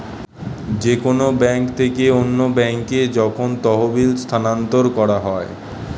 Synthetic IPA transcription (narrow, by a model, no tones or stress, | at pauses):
d͡ʑekonobɛŋkt̪ʰekeonːobɛŋked͡ʑɔkʰont̪ɔɦobilst̪ʰanant̪oɾkɔɾaɦɔe